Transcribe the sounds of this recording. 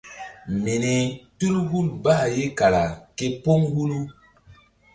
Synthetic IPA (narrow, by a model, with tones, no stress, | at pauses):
me˨ne˨tu˦lhu˦lbaː˦˨je˦ka˨la˨ke˦po˦ŋɡu˦lu˦